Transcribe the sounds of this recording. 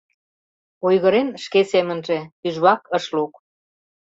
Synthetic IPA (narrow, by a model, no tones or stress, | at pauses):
ojɣəɾenʃkesemənʒe̽yʒβɑkəʃluk